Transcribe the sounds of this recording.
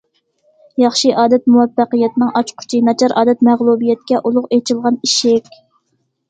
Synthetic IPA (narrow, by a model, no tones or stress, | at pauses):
jɑχʃɨʔɑːd̪ɛt̪̚muwɛpːæqɨjɛt̪nɨŋʔɑt͡ʃqʰʊ̥t͡ʃʰinɑt͡ʃʰɑɾʔɑ̰ːd̪ɛt̪̚mæʁlˠubijɛt̪̚kʲɛʔulˠʊqet͡ʃʰɪlˠʁɑniʃɪkʲ